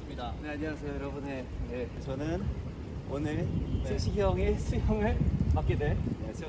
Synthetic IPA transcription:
ɯmɲidaneaɲiasʰejojʌɾʌbune | jet͡ɕʌnɯn | onɯɭsʰeɕʰiɡjʌŋesʰujʌŋɯɭpap̚k͈edweesʰ

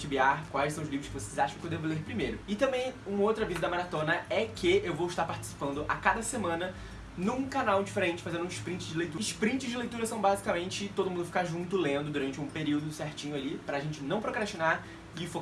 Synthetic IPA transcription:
t͡ʃɪbiaɾkwajsɐ̃w̃ʊzlivɾʊskɪvosejzaʃɐ̃kewd̪evʊleɾpɾimejɾʊɪt̪ɐ̃mbẽj̃ũmɐowt̪ɾɐvizɐd̪ɐmaɾat̪õnɐɛkʰɪewvowɪʃt̪aɾpaɾt͡ʃi̥si̥pɐ̃nd̪ʊʔakad̪ɐsemɐ̃nɐ | nũkanawd͡ʒifeɾẽnt͡ʃɪ̥fazẽnd̪ũɪʃpɾĩnt͡ʃɪzd͡ʒɪlejt̪uʃpɾĩt͡ʃɪzd͡ʒɪlejt̪uɾɐsɐ̃w̃bazikamẽnt͡ʃɪt̪od̪ʊmũd̪ʊfi̥kaɾʒũnt̪ʊlẽnd̪ʊd̪uɾɐ̃nt͡ʃɪũpeɾiwd̪ʊseɾt͡ʃĩɲʊalipɾɐːʒẽnt͡ʃɪnɐ̃w̃pɾokɾaʃt͡ʃinaɾ | ɪfo

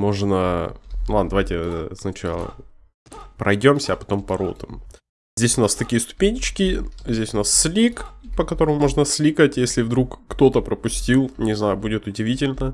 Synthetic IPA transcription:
mo̞ʐnəlˠad̪nd̪ɐvajtʲɪsnɐt͡ɕa̰lˠə̰ | pɾʔɐjdʲo̞msʲəːpɐ̥t̪o̞mpɐɾo̰t̪əm | zʲdʲesʲʊnast̪ɐkʲijəst̪ʊ̥pʲenʲɪt͡ɕkʲɪzʲdʲesʲʊnasːlʲikpəkɐt̪o̞ɾəmʊmo̞ʐnəsʲlʲikətʲjesʲlʲɪvd̪ɾukːt̪o̞t̪əpɾəpʊsʲtʲilˠnʲɪznajʊbudʲɪt̪ʊdʲɪvʲitʲɪlʲnə

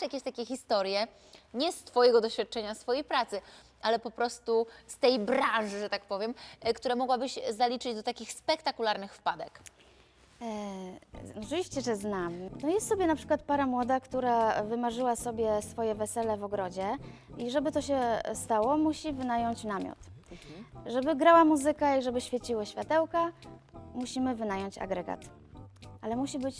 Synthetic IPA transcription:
jakʲeɕt̪akʲɛxʲist̪ɔɾjɛ | ɲɛst̪fɔjɛɡɔd̪ɔɕfʲjat̪̚t͡ʂɛɲasfɔjejpɾat̪sɘ | ʔalɛpɔpɾɔst̪ust̪ɛjbɾãnʐɘʐɛt̪akpɔvʲjɛmkt̪uɾɛmɔɡwabɘɕzalʲit͡ʂɘd͡ʑd̪ɔt̪akʲixspɛkt̪akulaɾnɘxfpad̪ɛk | ɔt͡ʂɨvʲiɕt͡ɕɛʐɛznamnɔjɛst̪sɔbʲjɛnapʂɘ̥kwat̪̚paɾamwɔd̪akt̪uɾavɘmaʐɘwasɔbʲjɛsfɔjɛvɛsɛlɛvɔɡɾɔd͡ʑɛ | iʐɛbɘt̪ɔɕɛst̪awɔmuɕivɘnajɔɲt͡ɕnamʲjɔ̰t̪ | ʐɛbɘɡɾawamuzɘkaiʐɛbɘɕfʲjɛt͡ɕiwaɕfʲat̪ɛwkamuɕimɘvɘnajɔɲt͡ɕa̰ɡɾɛɡa̰t̪ | ʔalɛmuɕibɘt͡ɕ

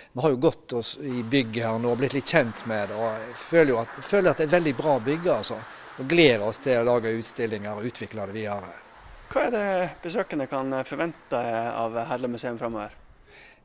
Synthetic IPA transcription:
mɛnhɑɾjʊɡɔt̪ːɔsɪbʏɡːəhæːʁnoːblɪt̪lɪt̪ːçɛnt̪mɛd̪ɛɔføːləjʊɑt̪føːləjʊɑt̪d̪ɛæɪt̪ʋɛld̪ɪbʁɑːbʏɡːəɑlsɔ | ɔɡleːɾɔst̪ʰɪlɔlɑːɡəʉːt̪st̪ɪlːɪŋəɾɔʉːt̪ʰʋɪklɑd̪ɛʋɪɑɾə | kʰɑːæɖɛb̥əsøːkənəkʰɑnfɔɾʋɛnt̪ɑɑ̰ʋhælɔmʉseːʉmfɾɑmːoːʋəɾ

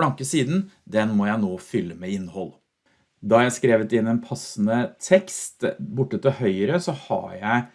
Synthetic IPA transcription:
lɑŋkəsiːd̪n̩d̪ɛnmɔjæɪnoːfʏlːəmɛɪnːhɔl | d̪ɑɾjæɪskɾeːʋət̪ɪnːɛnpʰɑsnət̪ʰɛkst̪bʊʈːət̪ɪlhœʏɾəsɔhɑ̰jæɪ

